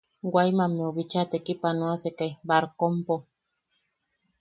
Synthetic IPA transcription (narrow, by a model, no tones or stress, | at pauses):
ɡʷajmameoβit͡ʃat̪ekipanũasekajbaɾkompo